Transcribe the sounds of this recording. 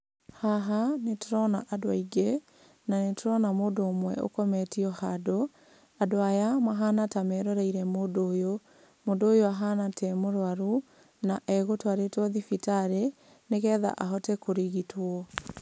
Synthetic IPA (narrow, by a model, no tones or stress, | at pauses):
haɦanetoɾɔnaʔadoaiɡe | nanetoɾɔnamoːdoːmwɛ̰o̰kɔmɛtiɔhado | adoajamaɦanatamɛɾɔɾɛiɾɛmoːdoːjo | moːndoːjoaɦanatʰɛmoɾwaɾu | naʔɛɣotoaɾetwɔðifitaɾe | nekɛːða̰ʔaɦɔtɛkoɾiɣitwɔ